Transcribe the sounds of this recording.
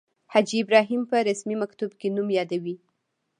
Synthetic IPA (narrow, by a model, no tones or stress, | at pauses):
had͡ʒiɪbɾɑɦimpəɾasmimakt̪ubkenumjɑd̪awi